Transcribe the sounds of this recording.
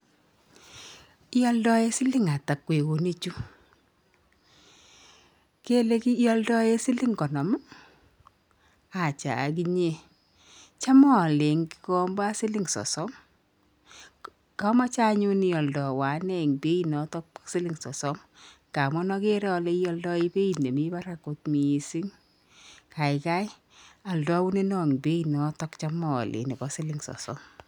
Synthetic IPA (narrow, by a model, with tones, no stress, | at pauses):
jɔ˦ldɔ˦e˦sɪ˦lɪ˦ŋa˨ta˨kːwe˨ko˨ne˦t͡ʃu˦ | ke˦le˦ki˦jɔ˦ldɔ˦e˦sɪ˦lɪ˦ŋkɔ˨nɔ˨m˦ | a˨t͡ʃa̰˨k̬i˦ɲe˨ | t͡ʃa˦mɔ˦˨le˨ŋki̥˨˦kɔ˦mba˦sɪ˦lɪ˦ŋsɔ̰˨sɔ˦m | ka˦ma˦t͡ʃa˦ɲu˦ni˨ɔ˨ldɔ˨wa˨˦nɛ˦˨ŋbe˦i˦nɔ˨˦tɔ˦ksɪ˦lɪ˦ŋsɔ˨sɔ˦m | ka˨mɔ˦nɔ˦ke˦ɾɔ˦le˦i˦ɔ˦ldɔ˦i˦be˦i˨tne˨mi˦ba˦ɾa˨ko˨t̚mi˨si˦ŋ | ka˨ɪ˨ka˦ɪ˦ | a˨ldɔ˦wu˦ne˦nɔ˦˨ŋ˨be˦i˨nɔ˨˦tɔ˦kt͡ʃa˦mɔ̰˨lʔḛ˨ni˨bɔ˨˦sɪ˦lɪ˦ŋsɔ̰˨sɔ̰˦m